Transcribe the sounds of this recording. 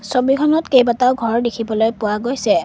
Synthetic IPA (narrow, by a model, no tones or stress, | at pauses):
sobikʰɔnɔtkejbataʊɡʱɔɹdekʰibɔlojpʊwaɡojsɛ